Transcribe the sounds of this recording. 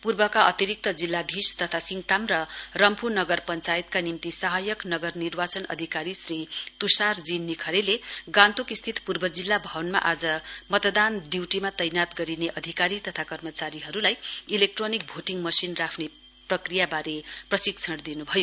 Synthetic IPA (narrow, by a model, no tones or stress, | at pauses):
purbʌkaʌ̰t̪iɾik̚t̪ʌd͡zilːab̪ʱist̪ʌt̪ʰasiŋt̪amrʌrʌmpunʌɡʌrpʌnt͡sajit̪̚kanimt̪isʌɦajʌknʌɡʌrnirbat͡sʌnʌ̰d̪ʱikaɾisrit̪usard͡zinːikʰʌɾeleɡãnt̪ukist̪ʰit̪purbʌd͡zilːabʱʌnma̰ʔad͡zʌmʌt̪d̪anɖiwʈimat̪ʌjnat̪ɡʌɾineʔʌd̪ʱikaɾit̪ʌt̪ʰakʌrmʌt͡saɾiɦʌɾulajilek̚ʈronik̚bʱoʈiŋmʌsinrapʰne | prʌkrijabaɾeprʌsikt͡sʰʌɽd̪inubʱʌjo